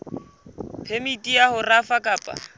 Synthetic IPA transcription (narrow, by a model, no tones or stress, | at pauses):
pʰemitʼiahʊrafakʼaːpʼa̰